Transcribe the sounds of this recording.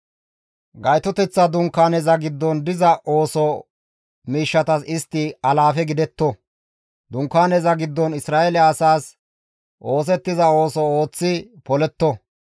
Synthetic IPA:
ɡɐjt̪ɔt̪ɛt͡sːɐd̪ʊŋkːaːnɛzɐɡɪd̪ːɔnd̪ɪzɐʔoːsɔ | miːʃːɐt̪ɐsɪst̪ːɪɐlaːfɛɡɪd̪ɛt̪ːɔ | d̪ʊŋkːaːnɛzɐɡɪd̪ːɔnɪsɾaːɛlɛːsaːs | ʔo̞ːs̬ɛt̪ːɪzɐo̞ːsɔo̞ːt͡sːɪpɔlɛt̪ːɔ

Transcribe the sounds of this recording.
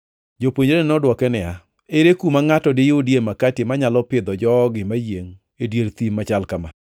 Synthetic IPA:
d͡ʒopwoɲoɾenɔdwɔkɛnɪa | eɾekumaŋatɔdɪjodjemakatɪmaɲalɔpɪd̪ɔd͡ʒɔɡɪmajeŋ | edjeɾt̪imːat͡ʃalkama̰

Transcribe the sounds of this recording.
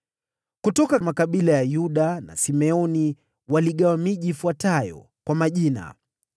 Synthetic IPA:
kutɔkamakaɓilajajuɗana̰simɛɔni | waliɠawamiʄiːfuatajɔ̰ | kwamaʄina̰

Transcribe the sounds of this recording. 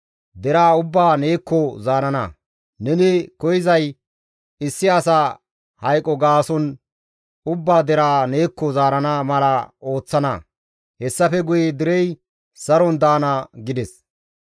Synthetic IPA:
d̪ɛɾaːʊbːaːne̞ːkːɔzaːɾɐnɐ̰ | nɛnɪkɔjɪzɐj | ɪsːɪɐsa | hɐjkʼːɔɡaːsɔn | ʊbːaːd̪ɛɾaːne̞ːkːɔzaːɾɐnaːmɐlɐo̞ːt͡sːɐnɐ̰ | hɛsːɐfɛɡʊjed̪ɪɾɛj | sɐɾɔnd̪aːnaɡɪd̪ɛs

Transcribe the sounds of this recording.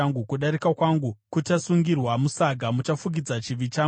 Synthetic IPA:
aŋɡukuɗaɾikakwaŋɡukutasuŋɡirwamusaɡʱamut͡ʃafuɡ̬id͡zat͡ʃiʋit͡ʃa

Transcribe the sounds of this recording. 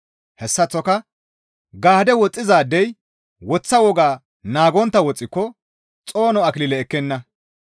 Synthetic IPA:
hɛsːɐt͡sːɔkɐ | ɡaːd̪ɛwɔt͡sʼːɪzaːd̪ːɛj | wɔt͡sːɐwɔɡaː | naːɡɔnt̪ːɐwɔt͡sʼːɪkːɔ | t͡sʼo̞ːnɔɐklɪlɛːkːɛnːɐ

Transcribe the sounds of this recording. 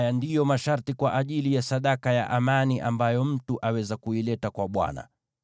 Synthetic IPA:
jandijɔmaʃaɾtikwaʔaʄilijasaɗakaja̰ʔamaniʔa̰mbajɔm̩tuʔawɛzakuilɛtakwaɓwa̰na̰

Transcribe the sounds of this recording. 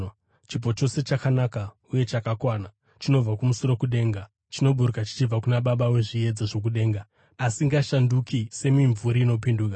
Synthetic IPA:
t͡ʃip̬o̞t͡ʃo̞se̞t͡ʃakanaka | uje̞t͡ʃakakwaːna | t͡ʃino̞b͡vakumusoɾo̞kuɗe̞ːŋɡa | t͡ʃino̞ɓuɾukat͡ʃi̥t͡ʃib͡vakunaɓaɓaweʐie̞d͡zaʐo̞k̬uɗe̞ːŋɡaː | siŋɡaʃandukise̞miɱvuɾiino̞p̬induːka

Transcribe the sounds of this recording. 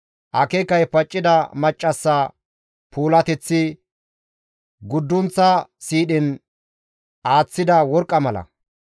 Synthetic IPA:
ʔɐkɛkːɐjpɐt͡ʃʼːɪd̪ɐmɐt͡ʃʼːɐsːɐ | pʰuːlɐt̪ɛt͡sːɪ | ɡʊd̪ːʊnt͡sːɐsiːɗɪn | aːt͡sːɪd̪ɐwɔɾkʼːɐmɐlɐ̰

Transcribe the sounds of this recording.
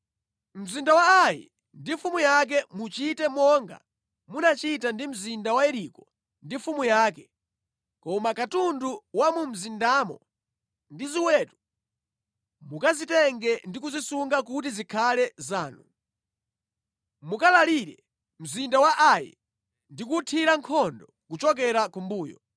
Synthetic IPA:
m̩zindawaːjḭ | ndifumujak̬ɛmut͡ʃitɛmɔŋɡa̰ | munat͡ʃitandim̩zindawaɛɾikɔ | ndifumujaːkɛ | kɔmakatunduwamum̩zindamɔ̰ | ndiziwɛtu | mukazitɛŋɡɛndikuzisuŋɡakut̬izikʰalɛzaːnṵ | mukalaliɾɛ | m̩zindawaʔajḭ | ndikutʰiɾaŋkʰɔndɔ | kut͡ʃɔk̬ɛɾakumbuːjɔ̰

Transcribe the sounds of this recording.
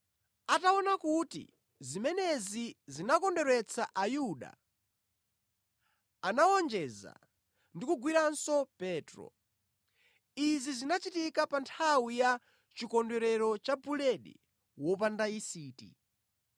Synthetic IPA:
ataɔnakutḭ | zimɛnɛzizinakɔndɛɾwɛt͡sʰaʔajuɗa̰ | anawɔnd͡ʒɛza̰ | ndikuɡwiɾansɔpɛːtɾɔ̰ | izizinat͡ʃitikapantʰawija | t͡ʃikɔndɛɾɛɾɔt͡ʃapulɛɗḭ | wɔpandaisiːtḭ

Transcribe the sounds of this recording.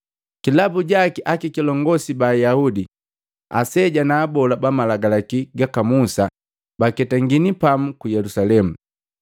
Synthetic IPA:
kilabuɟakiʔakikilɔŋɡɔsibaːjaudi | a̰sɛɟanaːbɔlabamalaɡalakiɡakamusa | bakɛtaŋɡinipamukujɛlusalɛmu

